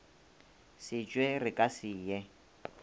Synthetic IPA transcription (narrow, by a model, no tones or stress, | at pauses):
sɪt͡ʃʼwerɪkʼasiːjɛ